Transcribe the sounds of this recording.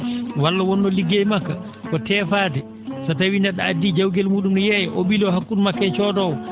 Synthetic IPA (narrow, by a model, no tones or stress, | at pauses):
walːawɔnːɔliɡːejmakːa | kɔtɛːfaːtɛ | satawindaɗaadːid͡ʒawɡɛlmuːɗumɗɔjɛjɛʔoɓilɔhakːunmakːɛt͡ʃɔːdɔwɔ